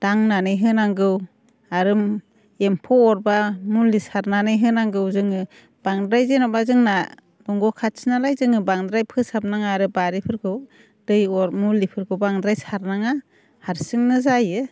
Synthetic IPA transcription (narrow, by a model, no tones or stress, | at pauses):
d̥aŋnanɯjɦɯnaŋɡɯw | aɾɯm | empʰɔɔɾbamulːisaɾnanɯjɦɯnaŋɡɯwzɯŋɯ | b̥aŋdɾajzenɔbazɯŋna | dɔŋɡɔkʰat̚sinalajzɯŋɯbaŋdɾajpʰɯsap̚naŋaːɾɯbaɾipʰɯɾɡɯw | d̥ɯjɔɾmulːipʰɯɾɡɯwbaŋdɾajsaɾnaŋa | haɾsɯŋnɯzajɯ